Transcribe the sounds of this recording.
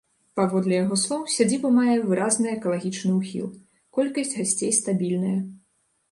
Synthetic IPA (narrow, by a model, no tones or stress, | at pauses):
pavɔd̪lʲɛjaɣɔslˠɔwsʲad͡zʲibɐmajɛvɨɾaznɨjɛkɐlˠaɣʲit͡ʂnɨuxʲḭlˠ | kɔlʲkɐsʲd͡zʲɣasʲt͡sʲejst̪abʲilʲnɐjɐ